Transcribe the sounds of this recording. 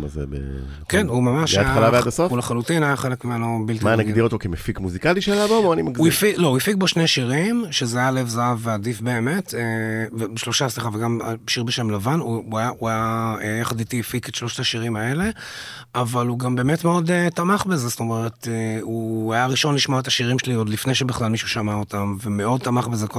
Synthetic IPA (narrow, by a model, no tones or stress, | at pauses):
ma̰zḛbḛ | kenumamaʃaajaalavead̪asofuleχalutinajaχelekmimenobilt̪imanaɡdiʁot̪okemefikmuzikaliʃealabooanimauifilo̞ujifik̚boʃneʃiʁimʃezeajalevzaaveadifbe̞ːme̞tevebeʃlo̞ʃasliχaveɡamʃiʁbeʃemlavanuuajaʔuajaejaχad̪it̪iifiket̪ʃloʃt̪aʃiʁimae̞le̞ | avaluɡambe̞ːmetmeo̞det̪amaχbezesto̞me̞ʁeteuajaʁiʃo̞nliʃmaet̪aʃiʁimʃeliod̪lifnejʃebeχlalmiʃuʃamaotamveme̞o̞d̚t̪amaχbezeko